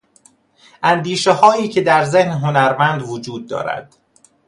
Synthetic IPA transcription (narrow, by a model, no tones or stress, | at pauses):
ʔænd̪iːʃehɒːiːcʰe̞d̪æɾze̞hnɦonæɾmænd̪vod͡ʒuːd̪̚ːɒ̰ːɾæ̰d̪̥